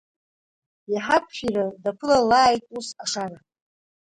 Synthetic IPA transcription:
jaħapʰʃʷᶣiradapʰɨlalaːjtʼusaʂara

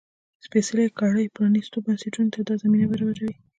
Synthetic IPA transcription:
spesɪlakɑɽəjpɾɑnist̪obanseʈunt̪ad̪ɑzaminabaɾawad͡ʒawi

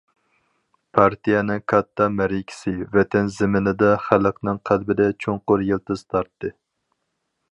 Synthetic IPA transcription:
pʰɑɾt̪ijɛnɨŋkʰɑt̪ʰːɑmɛɾikʲʰi̥sɪvɛt̪ʰɛnzɪmɪnɪd̪ɛχælˠəqnɨŋqʰælbɪd̪ɛt͡ʃʰoŋqʊɾjelˠt̪ɨz̥t̪ʰɑɾt̪ːɨ

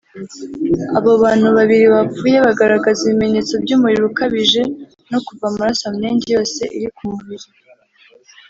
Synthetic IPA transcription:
aβo̞βaːn̥huβaβiɾiβauːje̞βaɡaɾaɡaziβime̞ɲe̞ːt͡so̞bɟuːmuɾiɾukaβiʒe̞ | no̞kuvamuɾasamɲeːɲɟejo̞ːse̞ʔiɾikumuβiɾi

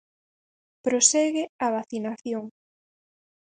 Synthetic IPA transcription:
pɾosɛɣɪaβaθinaθjoŋ

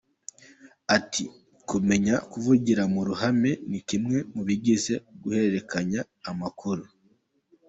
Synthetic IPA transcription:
atʰi | kume̞ɲakuvuɟiɾamuɾuɦame̞nikimŋe̞muβiɟize̞ɡ̥uhe̞ɾeɾe̞kʰaɲaː | makʰuɾu

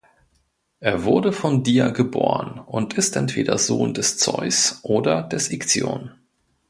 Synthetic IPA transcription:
ʔeːɐvʊɐdəfɔndiːɐɡəboːʁənʔʊntʰʔɪstʔɛntv̥eːdɐ̰zoːndɛst͡sɔ̰ʏsʔoːdɐdɛsɪkt͡sjo̰ːn

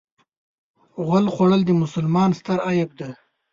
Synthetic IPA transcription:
ɣʊlχʷwaɽəld̪əmʊsʊlmɑːnst̪əɾɑjab̚d̪a

